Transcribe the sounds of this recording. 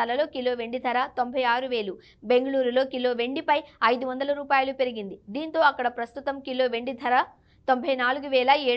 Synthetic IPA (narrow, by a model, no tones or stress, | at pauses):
ɐlɐlo̞ːkilo̞ːʋe̞ɳɖid̪ʱɐɾat̪o̞mbʱɐjaːɾuʋeːlu | be̞ŋɡɐɭuːɾulo̞ːkilo̞ːʋe̞ɳɖipɐjɐjd̪uʋɐnd̪ɐlɐɾuːpaːjɐlupe̞ɾiɡind̪id̪iːnt̪o̞ːɐkːɐɽɐpɾɐst̪ut̪ɐmkilo̞ːʋe̞ɳɖid̪ʱɐɾa | t̪o̞mbʱɐjnaːluɡuʋɛːɭɐeː